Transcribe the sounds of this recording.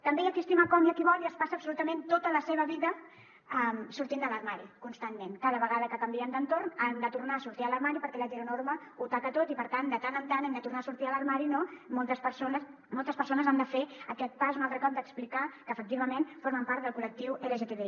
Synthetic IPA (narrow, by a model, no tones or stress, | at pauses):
t̪əmbeəkiəst̪iməkɔmjakiβɔliəspasəpsulut̪əmẽnt̪ot̪ələseβ̞əβiðə | ɛmsuɾt̪ind̪ələɾmaɾikunst̪anmenkaðəβəɣaðəkəkəmbiənd̪ənt̪ornamd̪ət̪uɾnasuɾt̪iələɾmaɾipəɾkɛləʒeɾunoɾməut̪akət̪ot̪ipəɾt̪and̪ət̪anənt̪anɛmd̪ət̪uɾrnaːsuɾt̪iəlɐɾmaɾinomolˠt̪əspəɾsonəs | mɔlˠt̪əspəɾsonəzand̪əfeəkɛt̪̚pazunalˠt̪ɾəkɔp̚d̪əksplikakəːfək̚t̪iβəmenfoɾməmpaɾt̪d̪əlˠkulək̚t̪iweləʒet̪eβe